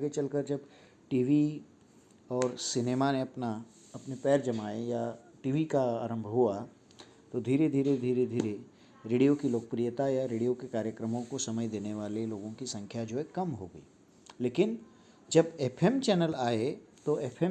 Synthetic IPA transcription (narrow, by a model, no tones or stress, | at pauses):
aɡet͡ʃɐlkəɾd͡ʒɐb | ʈiːʋi | ɔːɾsɪneːmaneɐpna | ɐpnepɛːɾd͡ʒɐmaːeja | ʈiːʋikaaːɾə̃mbʱɦua | t̪od̪ʱiːɾed̪ʱiːɾed̪ʱiːɾed̪ʱiːɾe | ɾeːɖijokiloːkəpɾijət̪ajaɾeːɽijokekaːɾjəkɾəmõkosɐməd͡ʒd̪eːneʋaːleloːɡõkisɐ̃ŋkʰjad͡ʒoːɦɛkɐmɦoːɡəḭː | leːkɪn | d͡ʒɐbɛpʰɛmt͡ʃɛːnəlaːet̪oepʰɛ